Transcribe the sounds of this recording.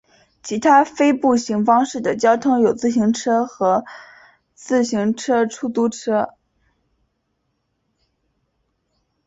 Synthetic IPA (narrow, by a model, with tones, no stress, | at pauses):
t͡ɕʰi˧˥t̪ʰa˥fe˥ɪpu˥˩ɕi˧˥ŋfɑ˥ŋʂɻ̩˥˩d̪ə˩t͡ɕjɑ˥ʊt̪ʰɤ˥ŋjo˨˩ʊt͡sɹ̩˥˩ɕ̬i˧˥ŋʈ͡ʂʰɤ˥xɤ˧˥ | t͡sɹ̩˥˩ɕi˧˥ŋʈ͡ʂʰɤ˥ʈ͡ʂʰu˥˩t̪u˧˥ʈ͡ʂʰɤ˥